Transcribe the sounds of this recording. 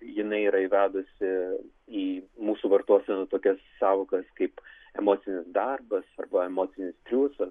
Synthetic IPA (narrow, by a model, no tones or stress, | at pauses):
jɪnɐɪiːɾɐiʋʲæːd̪ʊsʲɪ | iːmuːsuːʋɐrt̪uɔsʲɛnʊt̪oːkʲɛsːɑːʋoːkɐskɐɪp | ɛ̰moːt̪ʲɪnʲɪsd̪ɐrbɐsɐ̰rbɐɛmoːt̪sʲɪnʲɪst̪ʲɾʲuːsɐs